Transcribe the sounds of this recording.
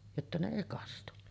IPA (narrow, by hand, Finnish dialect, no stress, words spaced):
jotːɑ ne eˑi kɑstu